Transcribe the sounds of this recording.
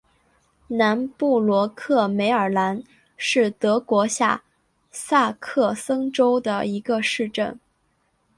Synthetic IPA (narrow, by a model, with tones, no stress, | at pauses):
na˧˥npu˥˩lwɔ˧˥kʰɤ˥˩me˧˥ɪə˞˨˩la˧˥n | ʂɻ̩˥˩t̪ɤ˧˥kwɔ˧˥ɕja̰˥˩ | sa˥˧kʰɤ˥˩sɤ˥ŋʈ͡ʂo˥ʊd̪ə̰˨˩i˧˥ɡə˧ʂɻ̩˥˧ʈ͡ʂə̰˥˩n